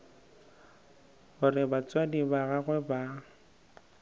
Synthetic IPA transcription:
ɣʊrɪbat͡sʼwadibaɣaɣwɛba

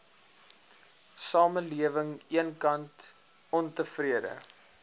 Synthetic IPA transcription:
sɑːməliəvəŋiənkɐnt | ɔntəfriədə̰

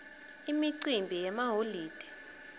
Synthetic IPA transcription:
imiǀimbʱijɛmaɦoliːd̥ʱɛ̥

